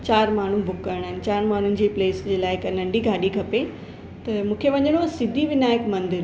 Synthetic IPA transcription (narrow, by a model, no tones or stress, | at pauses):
t͡ɕaːɾmaːɳ̤ubʱʊkːɐɾəɽ̃aːɦɪnɪ̆t͡ɕaːɾmaːn̤ʊnɪ̆d͡ʑiːpleːsd͡ʑeːlaːɪɪknɐ̃ɳɖʱiɡʱaːɗiɡʱɐpe | t̪ɐmũːkʰeʋɐɲəɽ̃osɪd̪ʱiʋɪnaːɪkmɐ̃nd̪ɪɾ